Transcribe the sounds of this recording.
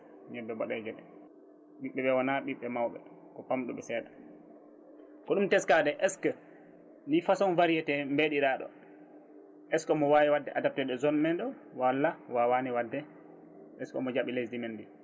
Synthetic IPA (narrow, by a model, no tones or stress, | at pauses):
ɲɛbːɛbɔɗɛɡɛɗɛ | ɓiɓːɛɓɛwanaɓiɓːɛmawɓɛ̰ | kɔpamɗṵɓɛsɛːɗa | kɔɗumtɛskadɛʔɛskə | nifasɔnvaɾijɛtɛmbeɗiɾaɗɔ̰ | ʔɛskɔmɔwaːjɛwadːɛʔadap̚tɛɗɔzɔnmɛndɔ | walːawawaniwadːɛ | ʔɛskɔ̰mɔd͡ʒaɓilesdimɛndi